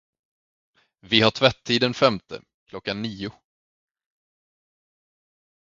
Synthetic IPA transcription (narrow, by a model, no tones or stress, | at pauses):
vɪhaʈʰvɛt̪ʰːiːd̪ənfɛmt̪ʰə̰ | kʰlɔkːanːiːʊ